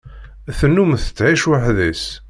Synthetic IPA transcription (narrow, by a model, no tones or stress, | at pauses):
æθənːumθə̥t͡sːʕiʃwəħðæs